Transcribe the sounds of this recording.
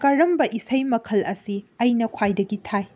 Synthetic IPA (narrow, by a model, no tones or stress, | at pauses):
kaɾɐmbɐʔisɐjmɐkʰɐlɐsiɐjnɐkʰwajdɐɡitʰaj